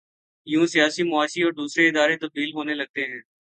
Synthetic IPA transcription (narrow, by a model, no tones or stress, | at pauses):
jũsijaːsimʊaːʃiɔːɾd̪uːsɾeɪd̪aːɾet̪əb̚d̪iːlɦoːnelɐɡ̚t̪eɦɛ̃ː